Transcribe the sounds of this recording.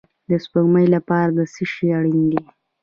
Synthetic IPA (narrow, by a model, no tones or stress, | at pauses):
d̪əspəɣməjlapɑɾad̪əsiʃiaɽind̪i